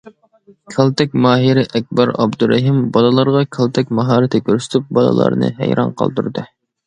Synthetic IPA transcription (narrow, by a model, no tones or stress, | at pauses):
kʲʰɛlˠt̪ɛk̚ʲmɑːɦiɾɪʔɛk̚ʲbɑɾɑbd̪uɾɛɦimbɑlɨlˠɑɾʁɑkʲʰɛlˠt̪ʰɛkʲmɑɦɑːɾɪt̪ʰɪkʲʰøɾsy̥t̪ʰyp̚bɑlˠɑ̰lˠɑ̰ɾnɨ̰hæ̰jɾɑ̰nqʰɑ̰lˠd̪uɾd̪ɨ